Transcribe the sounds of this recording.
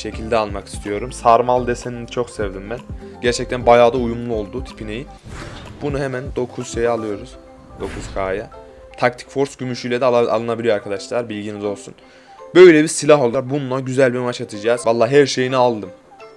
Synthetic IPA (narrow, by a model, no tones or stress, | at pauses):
ʃe̞cʰilʲd̪ɛalˠmaki̥st̪ʰijo̞ɾumsaɾmalˠd̪ɛsenint͡ʃʰo̞ksɛvd̪imbænɟ̥æɾt͡ʃʰɛc̚t̪ʰænbajaːd̪aujumlˠuo̞lˠd̪ut̪ʰi̥pʰineji | bunuɦemænd̪o̞kʰuz̥ʃe̞jialˠɯjo̞ɾuz̥ | d̪o̞kʰuz̥kʰaːja | t̪ʰak̚t̪ʰi̥cfo̞ɾsɟymyʃyjlʲɛd̪ɛa̰lˠɯnabilijo̞aɾkʰad̪aʃlˠaɾbilʲɟinizo̞lˠsun | bø̞jlʲɛbiɾsilʲaɦo̞lˠd̪aɾbunlˠaɟyzælʲbimat͡ʃat̪ʰɯd͡ʒaːzvalˠːaːɦæɾʃe̞jinialˠd̪ɯm